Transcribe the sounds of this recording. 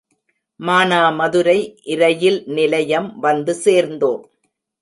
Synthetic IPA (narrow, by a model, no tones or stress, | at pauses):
maːnaːmɐðɯɾɐɪʔɪɾɐjɪlnɪlɐjɐmʋɐnd̪ɯseːɾnd̪oːm